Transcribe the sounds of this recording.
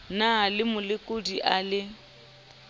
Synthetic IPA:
nalɪmʊlɪkʼodiʔalɪ

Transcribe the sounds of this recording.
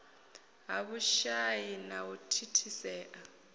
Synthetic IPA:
ɦaβuʃajinawutʰitʰisɛːʔa

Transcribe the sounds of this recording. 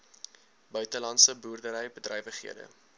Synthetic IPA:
bœɥtəlɐntsəbuːrdəɾəjbədrɛjvəχɦḭədə̰

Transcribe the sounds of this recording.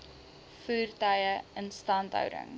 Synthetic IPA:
fuːrtɐjəənstɐntɦœ̰wdə̰ŋ

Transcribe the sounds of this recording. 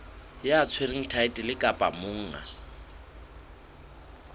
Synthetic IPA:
jat͡sʰweriŋ̩tʰaɪtʼilɪkʼapʼa̰mʊŋ̩ŋa̰

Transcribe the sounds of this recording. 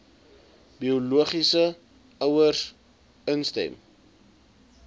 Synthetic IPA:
biuluəχisə | œwər | ənstɛ̰m

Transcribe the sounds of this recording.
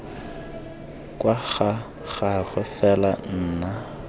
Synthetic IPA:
kʼwaɣa | ɣaɣʊfɛlan̩ːna

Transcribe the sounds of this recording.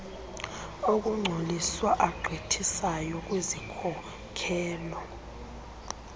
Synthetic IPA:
ok̬uŋ͡ǀʱoliswaʔaɡ͡ǃʱitʰisajɔk̬wizikʰɔ | kʰɛːlɔ

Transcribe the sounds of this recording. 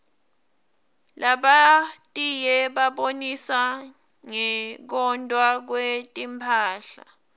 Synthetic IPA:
laɓatʼijɛɓaɓonisa | ŋɛk̬ɔntʼwak̬wetʼimpʰaːɬa̰

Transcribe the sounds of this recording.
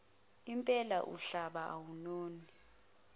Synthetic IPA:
impʼɛla̰ʔṵɬaɓaʔawunoːni

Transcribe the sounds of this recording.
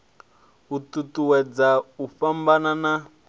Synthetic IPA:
ututuwɛd͡zaufambanana

